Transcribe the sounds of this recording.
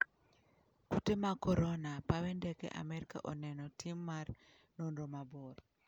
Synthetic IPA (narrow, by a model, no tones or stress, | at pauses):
kutemakɔɾonapawɛndɛkɛ̰ʔa̰mɛɾika̰ʔonɛnɔtʰimːar | nondomabɔɾ